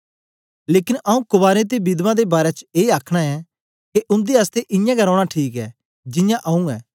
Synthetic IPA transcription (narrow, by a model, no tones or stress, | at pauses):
leːkɪnɐũkʊbaːɾẽt̪̬ebɪd̪mãd̪ebaːɾɛt͡ʃeːaːkʰɽ̃aɛ | keʔʊ̃nd̪iast̪eʔɪ̃jãɡɐɾɔːɽ̃aʈʰiːkɛ | d͡ʒɪ̃jãʔɐũɛː